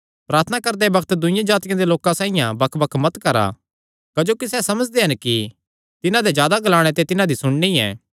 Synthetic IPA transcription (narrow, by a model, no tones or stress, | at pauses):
pɾaːɾt̪ʰənakɐɾd̪ɛbɐkʰt̪d̪ʊɪ̃jãd͡ʒaːt̪ɪjãd̪eloːkãsãːɪ̃jãbɐkʰbɐkʰmɐt̪kɐɾa̰ | kɐd͡ʒoːkisɛsɐməd͡ʒd̪eɦɐnki | t̪ɪnãd̪ed͡ʒjaːd̪aɡɐlaːɽ̃et̪et̪ɪnãd̪isʊɽ̃ɳiɛ̰̃ː